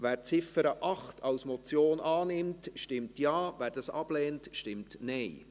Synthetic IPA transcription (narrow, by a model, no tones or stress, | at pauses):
væːɾt͡sɪfəɾəʔɑχtʰɑwsmɔt͡sjoːnɑːnɪmtʃtɪmtjɑːvæːɾdɑsɑ̰b̥lɛːntʃtɪmtnɛɪ